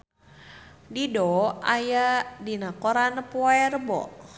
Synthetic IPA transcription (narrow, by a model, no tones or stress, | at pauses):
didɔajadinakɔɾanəpɔɛrbɔ̰